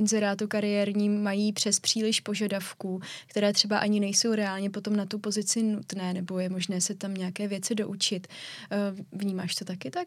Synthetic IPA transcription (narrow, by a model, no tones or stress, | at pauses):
ɪnzɛɾaːt̪ukaɾɪjɛɾɲiːmajiːpr̥ɛspr̝̥iːlɪʃpo̞ʒadafkuːkt̪ɛɾɛːt̪r̝̥ɛbaʔaɲɪnɛjso̞wɾɛaːlɲɛpo̞t̪o̞mnat̪upo̞zɪt͡sɪnut̪nɛːnɛbo̞jɛmo̞ʒnɛːsɛt̪amɲɛakɛːvjɛt͡sɪdo̞ʔut͡ʃɪt̪ː | vɲiːmaːʃt̪o̞t̪akɪt̪ak̚